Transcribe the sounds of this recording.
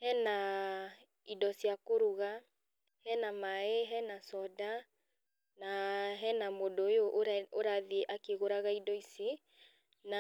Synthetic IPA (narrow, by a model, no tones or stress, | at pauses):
hɛna | idɔsjakoɾuɣa | hɛnamaeɦɛnasɔda | naɦɛnamodojoʔoɾaðiʔakeɣoɾaɣaidɔisi | na